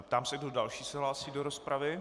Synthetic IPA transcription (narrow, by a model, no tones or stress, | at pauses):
p̚t̪aːmsɛɡdodalʃiːsɛɦlaːsiːdoɾospɾavɪ